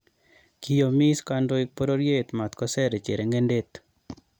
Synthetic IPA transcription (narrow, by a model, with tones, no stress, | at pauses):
ki˦jo˨mi˦ska˦ndo˦ɪ˦k̚po˦ɾo˦ɾje˦t̪ma˨t̪kɔ˦sɛ˦ɾe˨t͡ʃḛ˨ɾe˨ŋɡe˦nde˦t̪